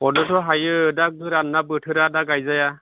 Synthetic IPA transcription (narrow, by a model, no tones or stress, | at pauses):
ɔnɔtʰɔɦajɯdak̚dɯɾanːabɯtʰɯɾadaɡajzaja